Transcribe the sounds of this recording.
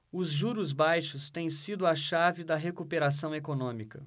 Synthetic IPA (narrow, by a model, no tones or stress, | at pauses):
ʊzʒuɾʊzbajʃʊst̪ẽj̃sid̪ʊɐʃavɪd̪ɐɦekupeɾas̬ɐ̃w̃ekonõmikɐ